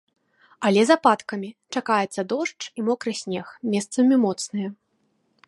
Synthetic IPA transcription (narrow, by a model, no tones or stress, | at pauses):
ɐlʲɛzapat̪kɐmʲit͡ʂakajɛt̪sːɐd̪ɔʂt͡ʂimɔkɾɨsʲnʲɛxmʲɛst̪sɐmʲimɔt̪snɨjɐ